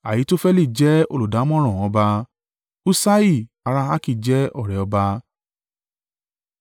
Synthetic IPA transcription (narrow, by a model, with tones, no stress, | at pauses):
a˨ji˨˦to˦fɛ˦li˦˨d͡ʒɛ˦o̰˧lu˨da˨˦mɔ̃˦ɾ̃ɔ̃˦˨ɔ̃˨˧ba˧ | u˦sa˦i˦˨ | a˧ɾa˧a˦ki˦˨d͡ʒɛ˦ɔ˦˨ɾɛ˨ɔ˧ba˧